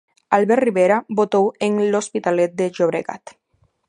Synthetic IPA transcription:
alβɛrriβeɾabot̪oweŋlospit̪alet̪̚d̪eʒoβɾeɣa̰t̪

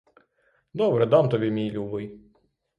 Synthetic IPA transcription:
d̪ɔbɾɛd̪ɑmt̪ɔbʲimʲijlʲubɪj

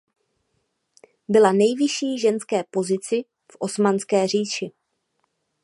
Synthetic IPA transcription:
bɪlanɛjvɪʃiːʒɛnskɛːpo̞zɪt͡sɪ | fʔo̞smanskɛːr̝iːʃɪ

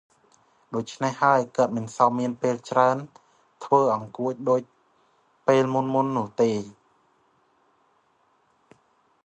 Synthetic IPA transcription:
ɗoːc̚t͡ɕʰnehːaəjkə̆ət̪̚mɨnsɑmːiənpeːlt͡ɕraən | t̪ʰʋəːʔɑŋkuəc̚ɗoːc̚ | peːlmunmunːŭəht̪eː

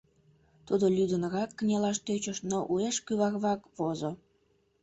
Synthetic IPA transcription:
t̪ud̪olʲyd̪ənəɣɑkːənʲelɑʃt̪øt͡ɕəʃnoʔueʃkyβɑkβɑkβozo

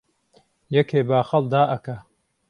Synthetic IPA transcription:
jɛkʰeːbaːxɐlˠd̪aːʔɐkɐ

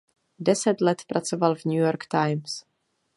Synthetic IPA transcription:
dɛsɛt̪lɛt̪pɾʔat͡sovalvɲujoɾkt̪ajms

